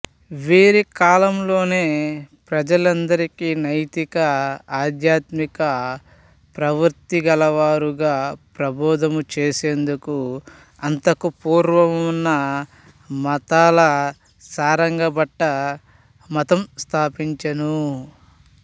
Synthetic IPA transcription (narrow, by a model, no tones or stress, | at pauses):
ʋiːɾikaːlɐmlo̞ːne̞ːpɾɐd͡ʒɐlɐnd̪ɐɾikinɐjt̪ikɐaːd̪jaːt̪mikɐ | pɾɐʋɐɾt̪iɡɐlɐʋaːɾuɡaːpɾɐbɔːd̪ɐmut͡ʃeːse̞ːnd̪uku | ɐnt̪ɐkupuːɾʋɐmunːɐ | mɐt̪aːlɐ | saːɾɐŋɡɐbɐʈːɐ | mɐt̪ɐmst̪ʰaːpiɲt͡ʃɐnu